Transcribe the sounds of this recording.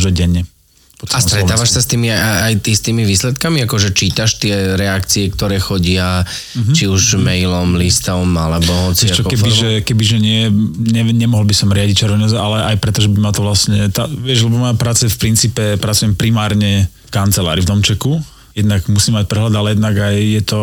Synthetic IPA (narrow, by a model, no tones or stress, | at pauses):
ʒɔɟɛɲːɛ | pɔast̪ɾɛt̪aːʋaʃssast̪iːmiaaajt̪ist̪iːmiʋiːslɛt̪kamiakɔʒɛt͡ʃiːt̪aʃt̪ɪɛɾɛakt͡siɛkt̪ɔɾɛːxɔɟɪa | ɦt͡ʃiuʒmɛjlɔmlist̪ɔmalɛbɔɦɔt͡siɛt͡ʃɔkɛbiʒɛkɛbiʒɛɲɪɛɲɛɲɛmɔɦɔlbisɔmɾɪaɟic̚t͡ʃɛɾʋɛɲɔzalɛʔajpɾɛt̪ɔʒɛbimat̪ɔʋlasɲɛt̪aʋɪɛʒlɛbɔmajapɾaːt͡sɛfpɾint͡siːpɛpɾat͡sujɛmpɾimaːɾɲɛ | kant͡sɛla̰ːɾivd̪ɔmt͡ʃɛku | jɛd̪naɡmusiːmac̚pɾɛɦlad̪alɛjɛd̪naɡajjɛt̪ɔ